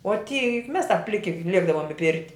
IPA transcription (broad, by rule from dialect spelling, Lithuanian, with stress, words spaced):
oː tʲiː jʊk mʲɛs tɐp ˈpʲlʲɪkʲɪ ˈlʲiɛɡdɐʋoːm ɪ ˈpʲɪrʲtʲɪ